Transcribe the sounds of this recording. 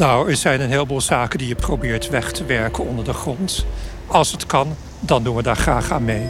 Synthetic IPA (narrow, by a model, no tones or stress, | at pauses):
nawɛɹzɛjnənɦɪːlˠbuːlˠzaːkəndijəprowbɪːɹtʋɛχtʰəʋɛɹkənɔndəɹdəχrɔnt | ɑlˠsətkɑn | dɑnduʋədaːɹχraːχaːnmej